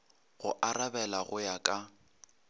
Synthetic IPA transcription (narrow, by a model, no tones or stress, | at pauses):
ɣʊʔaɾabɛlaɣʊjakʼa